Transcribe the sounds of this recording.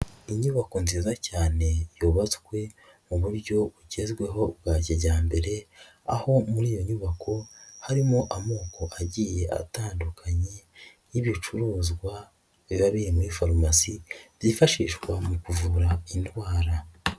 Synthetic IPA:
iɲuβako̞nziːzacaːne̞juːβaswe̞ | muβuɾɟo̞βuɟe̞zɡwe̞ɦo̞bɡaːɟeɾɟaːmbe̞ɾe̞ | a̰ho̞muɾiːjo̞ɲuβakʰo̞haɾimoʔamo̞ːkʰo̞ʔaɟije̞ʔa̰taːndukʰaɲe̞ | iβit͡ʃuɾuːzɡwa | βiβaβiɾemuɾifaɾomasiz̥ifaʃiːʃɡwamukuvuɾaintwaːɾa

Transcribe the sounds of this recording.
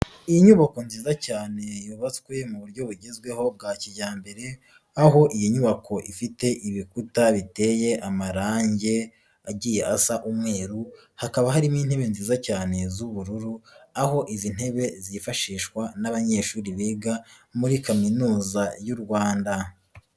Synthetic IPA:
ijiɲuβako̞nziːzacaːne̞juːβat͡skwe̞muβuɾɟo̞βuɟezɡwe̞ho̞b̚ɡaːciɟaːmbe̞ɾe̞ | aɦo̞ʔijiɲuβakʰo̞ʔifite̞ʔiβikutaβite̞je̞ʔamaɾaːɲɟe̞ | aɟiːjeʔasaʔumŋe̞ːɾu | hakaβaɦaɾimiːn̥he̞βe̞nziːzacaːne̞zuβuɾuɾuaho̞ʔizin̥he̞βe̞zifaʃiːʃkwanaβaɲe̞ːʃuːɾiβeːɡa | muɾikaminuːzajuɾɡwaːnda

